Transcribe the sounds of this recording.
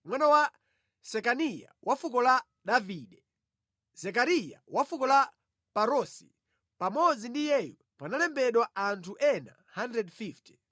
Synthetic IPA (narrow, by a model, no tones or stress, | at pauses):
mwanawa | sɛkanija̰wafukɔla | ɗaviːɗɛ | z̥ɛk̬aɾija̰wafukɔla | paɾɔsi | pamɔd͡zindijɛju | panalɛmbɛɗwaantʰuʔɛna̰ | handɾɛdfifti̥